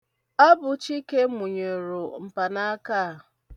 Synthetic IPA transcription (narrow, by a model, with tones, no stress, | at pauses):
a˦bʊ˨˦t͡ʃi˦ke˦mu˨ɲe˨ɾo˨m̩˨pa˨na˦a˦kaː˦˨